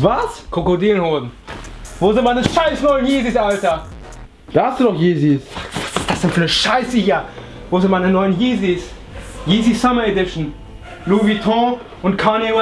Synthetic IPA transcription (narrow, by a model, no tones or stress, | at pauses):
vaskʰokodiːlnhoːzn̩voːzɪnt̚manəʃaɪsnɔʏənjiːzisʔaltɐ | d̥aːhastd̥uːdɔχjiːzisd̥asz̥ɪntfyːɐnəʃaɪsɪçɐ | voːzɪtmaɪnənɔʏənjiːzis | jiːzisamɐedɪʃn̩ | luvitʰɔ̃ː | ʊntkʰanea